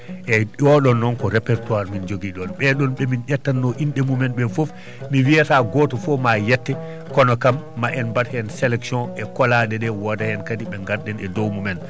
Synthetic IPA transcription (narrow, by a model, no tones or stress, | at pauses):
ʔɛʔɔɗɔnːɔnkɔɾɛpɛɾtuaɾmind͡ʒoɡiɗɔnɓɛɗɔnɓɛminʔɛtːanːɔʔinɗɛmumɛnɓɛfof | miwijataɡɔːtɔfɔmajɛtːɛ | kɔnɔkamːaʔɛnbathɛnsɛlɛksiɔ̃nɛkɔlaɗɛɗɛwɔdajɛnkadiɓɛŋɡaɾɗɛnɛdɔwmumɛn